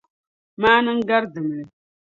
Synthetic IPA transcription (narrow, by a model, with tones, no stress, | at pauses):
maː˦nɨ˦ŋ˦ɡa˦ɾdɨ˨m˨lɨ˨